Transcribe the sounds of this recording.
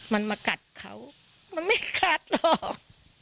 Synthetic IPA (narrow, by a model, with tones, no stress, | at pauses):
ma˧nmaː˧ka˨˩t̪̚kʰa̰˦˥w | ma˧nma˥˩jkʰaː˧˩t̪̚lɔː˧˩k̚